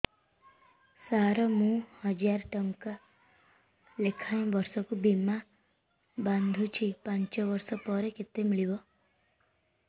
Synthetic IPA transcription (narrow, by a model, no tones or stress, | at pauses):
saɾɔmũhʌd͡ʒaɾʈəŋka | lekʰaj̃bʌɾsɔkubima | band̪ʱũt͡ʃʰipãɲt͡ʃɔʋʌɾsɔpɔɾeket̪emiɭibɔ